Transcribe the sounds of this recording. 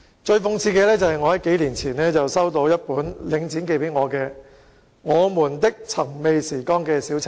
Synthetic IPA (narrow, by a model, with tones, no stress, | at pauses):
t͡ʃɵ˧ɥfʊ˧ŋt͡sʰiː˧kɛː˧lɛː˥t͡sɐ˨˩hɐ˨jŋɔː˨˧hɐ˨˥jke˨˥jliː˨˩nt͡sʰiː˨˩nlɛː˥t͡sɐ˨wsɐ˥wt̪o˧wjɐ˥t̚puː˨˥nlɪ˨˥ŋt͡siː˨˥nke˧jpe˨˥jŋɔː˨˧kɛː˧ | ŋɔː˨˧muː˨˩nt̪ɪ˥k̚t͡sʰɐ˨˩ŋme˨˧jsiː˨˩kɔː˥ŋkɛː˧siː˨˥wt͡sʰa˨˩